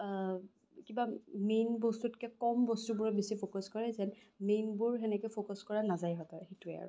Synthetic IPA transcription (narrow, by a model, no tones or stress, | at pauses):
kibamejnbɔstutkɛkɔmbɔstubʊɹɛbisipʰokɔskɔɹɛzɛn | mejnbʊɹɦɛnɛkɛjpʰokɔskɔɹanazajɦɔtaxituɛa̰ɹʊ